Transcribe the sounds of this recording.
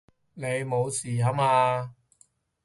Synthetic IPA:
ne˨˧jmo˨˧wsiː˨˩ɦɐ˨˥maː˧

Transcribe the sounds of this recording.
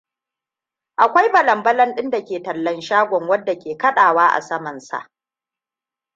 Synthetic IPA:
ʔa˨kʷa˦jbɐ˨lɐ˨mbɐ˦lɐ˦nɗɪ˦nda˨kʲeː˨tɐ˨lːɐ˦nʃaː˦ɡʷɔ˨ŋwɐ˦dːa˨kʲeː˨kɐ˦ɗaː˨waː˦ʔa̰˨sɐ˦mɐ˨nsa̰˨ʔ

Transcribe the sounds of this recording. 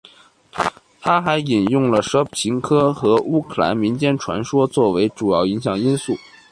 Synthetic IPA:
t̪ʰa˥xa˧˥ɪi˨˩njʊ˥˩ŋlə˩ʂɤ˥p̚t͡ɕʰi˧˥ŋkʰɤ˥xɤ˧˥u˥kʰɤ˨˩la̰˧˥nmi˧˥nt͡ɕjɛ˥˩nʈ͡ʂʰwa̰˧˥nʂwɔ˥t͡swɔ˥˩we˧˥ɪʈ͡ʂu˨˩jɑ˥˩ʊi˧˥ŋɕjɑ˨˩ŋi˥nsu˥˩

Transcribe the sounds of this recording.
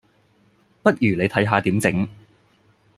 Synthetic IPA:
pɐ˥t̚jyː˨˩le˨˧jt̪ʰɐ˨˥jɦaː˧t̪iː˨˥mt͡sɪ˨˥ŋ

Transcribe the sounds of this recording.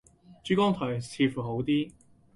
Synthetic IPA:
t͡ʃyː˨˥kɔː˥ŋt̪ʰɔː˨˩jt͡sʰiː˧fuː˨˩ɦo˨˥wt̪iː˥

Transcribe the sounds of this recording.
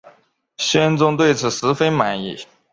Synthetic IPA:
ɕɥɛ˥nt͡sʊ˥ŋt̪we˥˩ɪt͡sʰɹ̩˨˩ʂɹ̩˧˥fe˥ɪma˨˩nḭ˨˩

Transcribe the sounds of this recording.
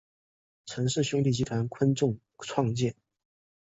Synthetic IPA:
ʈ͡ʂʰɤ˧˥ŋʂɻ̩˥˩ɕʊ˥ŋt̪i˥˩t͡ɕi˥˧t̪ʰwa˧˥nkʰwə˥nʈ͡ʂʊ˥˧ŋ | ʈ͡ʂʰwɑ˥˧ŋt͡ɕjɛ˥˩n

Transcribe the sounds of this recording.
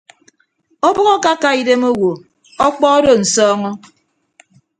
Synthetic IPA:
o˦bɔ˦ɣɔ˦ka˦ka˦i˦de˦mo˦wo˨ | ɔ˦k͡pɔ˦o˦do˨n̩˨sɔː˦ŋɔ˦

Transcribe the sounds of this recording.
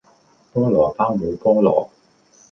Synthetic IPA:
pɔː˥ŋlɔː˨˩paː˥wmuː˨˧˥pɔː˥ŋlɔ̰ː˨˩

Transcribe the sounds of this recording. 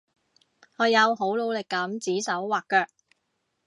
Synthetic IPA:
ŋɔː˨˧jɐ˨˧wɦo˨˥wlo˨˧wlɪ˨kːɐ˨˥mt͡siː˨˥sɐ˨˥wwaː˨kːœː˧k̚

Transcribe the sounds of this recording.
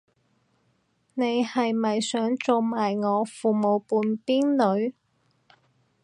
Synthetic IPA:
ne˨˧jhɐ˨jmɐ˨jsœː˨˥ŋt͡so˨˧wmaː˨jŋɔː˨˧fuː˨mo˨˧wpuː˨npiː˥nlɵ˨˧˥ɥ

